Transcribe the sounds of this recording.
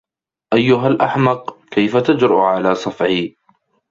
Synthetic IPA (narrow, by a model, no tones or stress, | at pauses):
ʔajːʊɦalʔaħmɑqkajfat̪ad͡ʒɾɑʔʕalaːsˤɑfʕiː